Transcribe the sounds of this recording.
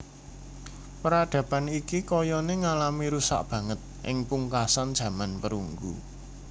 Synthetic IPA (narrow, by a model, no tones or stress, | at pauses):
pəɾad̥ä̤panikikɔjɔneŋalamiɾusa̰ʔb̥ä̤ŋət̪̚ʔɪ̰ŋpuŋkasand̥ʒ̥ä̤manpəɾṵŋɡṵ